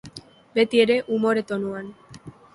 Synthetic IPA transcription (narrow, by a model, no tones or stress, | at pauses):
be̞t̪ie̞ɾe̞ʔumo̞ɾe̞t̪o̞nuan